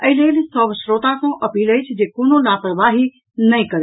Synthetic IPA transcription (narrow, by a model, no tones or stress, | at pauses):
əɦileːlisəbsɾot̪akõʔɐpiːləjt͡ʃʰd͡ʒekonolapɾəʋaɦi | nəjkəɾ